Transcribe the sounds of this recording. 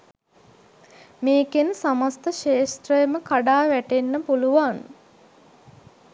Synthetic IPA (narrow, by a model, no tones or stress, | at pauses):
meːkensamast̪əʃeːst̪ɾəjəməkaɖaːʋæʈenːəpuluʋaŋ